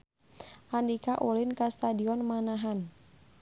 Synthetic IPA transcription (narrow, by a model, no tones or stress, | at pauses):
ʔandikaʔulɪnkast̪adiɔnmanaɦan